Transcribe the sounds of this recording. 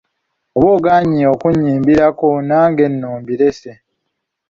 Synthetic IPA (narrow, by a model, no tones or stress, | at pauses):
oβoːɡaːɲiokuɲːiːmbiɾakonaːŋɡe̞nːuːmbiɾe̞se